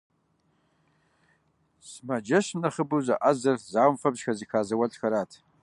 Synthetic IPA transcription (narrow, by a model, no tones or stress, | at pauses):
smad͡ʒɐʃnaχəbuza̰ʔazɐrzaːwmfɐbʒxazikʰaːzɐwaɬʼxaɾatʰ